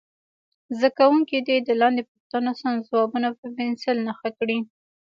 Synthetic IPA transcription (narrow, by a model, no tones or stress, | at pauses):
zd̪akawuŋkid̪ed̪əlɑnd̪epʊxt̪anosɑnzwɑɡunapəpɪnsɪlnaxakɽi